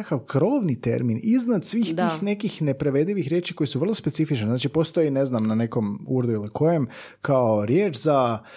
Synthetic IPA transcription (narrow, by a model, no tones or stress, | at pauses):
akaʋkɾo̞ːʋnit̪e̞̰ɾminiznad̪sʋiːxt̪ixne̞kixne̞pɾaʋe̞d̪iʋixɾʲje̞ːt͡ʃi̥ko̞jesuʋr̩lˠospe̞t̪sifit͡ʃneznaːt͡ʃipo̞st̪o̞jine̞znamnane̞komuɾd̪uilikʰo̞jem | kaoɾje̞ːt͡ʃza